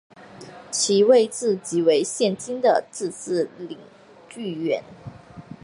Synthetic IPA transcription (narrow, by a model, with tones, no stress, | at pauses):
t͡ɕʰi˧˥we˥˧ɪt͡sɹ̩˥˩t͡ɕi˧˥we˧˥ɪɕjɛ˥˩nt͡ɕi˥nd̪ə˨t͡sɹ̩˥˧t͡sɹ̩˥˩li˧˥ŋ | t͡ɕy˥˩ɥɛ̰˧˥n